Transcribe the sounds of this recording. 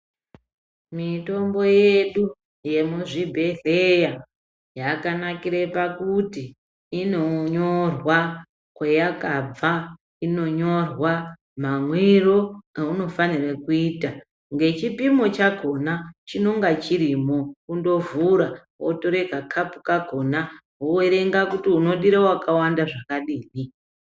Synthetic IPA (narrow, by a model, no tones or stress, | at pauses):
mito̞mbo̞jeɗu | je̞muʐibʱe̞ɮeja | jakanakiɾepakutiː | no̞ɲorwa | kwejakab͡va | ino̞ɲo̞rwa | mamwiro̞uno̞fanirekuiːta | ŋɡe̞t͡ʃipimo̞t͡ʃaɡʱo̞nat͡ʃino̞ŋɡat͡ʃiɾimo̞kundo̞vuɾa | wotoɾekakʰapu̥kaɡʱo̞na | ɦoeɾe̞ŋɡakutiuno̞ɗiɾewakawandaʐakaɗiːni